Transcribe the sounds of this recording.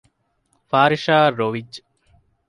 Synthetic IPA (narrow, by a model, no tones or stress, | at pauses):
faːɾʃaːɾoːʋid͡ʒ